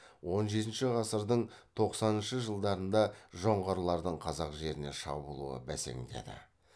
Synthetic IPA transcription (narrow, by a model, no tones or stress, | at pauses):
wo̞nʒe̞t̪̬ɪnʃɪʁɑsəɾd̪əɴ | t̪ʰo̞qsɑnənʃəʒəlˠd̪ɑɾənd̪ɑʒo̞ɴʁɑɾlˠɑɾd̪əɴqʰɑzɑqʒe̞ɾɪne̞̰ʃɑ̰bulˠṵə̰bæse̞̰ŋd̪e̞̰d̪ɪ̰